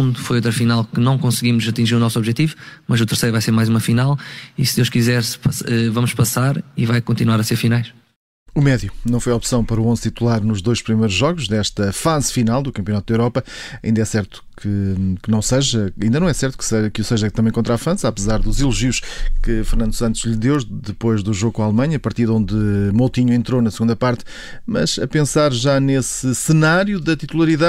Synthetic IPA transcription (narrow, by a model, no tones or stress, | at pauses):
ũd̪ufojot̪ɾɐfinalˠkɨnɐ̃w̃kõsɣimuzɐt̪ĩʒiɾunɔsɔβʒɛt̪ivumɐzut̪ɨɾsɐjɾvajseɾmajzumɐfinalˠisɨd̪ewʃkizɛɾspɐsɛvɐmuʃpɐsaɾivajkõnt̪inwaɾɐseɾfinajʃ | umɛðjunɐ̃w̃fojɔpsɐ̃w̃pɐɾɐuõz̥t̪it̪ulˠaɾnuʒðojʃpɾimɐjɾuʒːɔɣuʒðɛʃt̪ɐfazfinalˠd̪ukɐ̃mpjunat̪̚d̪eowɾɔpɐɐĩnd̪ɐɛsɛɾt̪u̥kʰɨkɨnɐ̃w̃sɐʒɐɐĩnd̪ɐnɐ̃w̃ɛsɛɾt̪u̥ksɐkusɐʒɐk̚t̪ɐmɐ̃j̃kõnt̪ɾafɐ̃zapɨzaɾðuzilˠuʒiuʃkɨfɨɾnɐ̃nd̪usɐ̃nt̪uʒʎðewðɨpojʒðuʒoɣukõalˠmɐ̃ɲɐːpɐɾt̪iðɐõnd̪ɨmolˠt̪iɲuẽnt̪ɾonɐsɣũnd̪ɐpaɾt̪ | mɐ̰zɐpẽsaɾʒanesɨsɨnaɾjuðɐt̪it̪ulˠɐɾiða